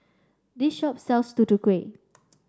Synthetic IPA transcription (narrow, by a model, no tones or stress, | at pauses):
diʃɔp̚sɛlstutukɹe